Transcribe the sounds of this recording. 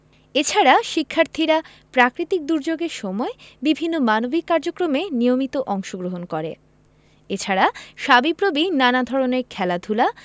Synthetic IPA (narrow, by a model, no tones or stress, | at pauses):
et͡ɕʰaɾaʃikʰːaɾt̪ʰiɾa | pɾakɾit̪ik̚d̪uɾd͡ʑoɡeɾʃɔmɔebibʱinːomanobikːaɾd͡ʑokɾomenijomit̪oʔɔŋʃoɡɾoɦonkɔɾḛ | et͡ɕʰaɾaʃabipɾobinanad̪ʱɔɾoneɾkʰɛlad̪ʱula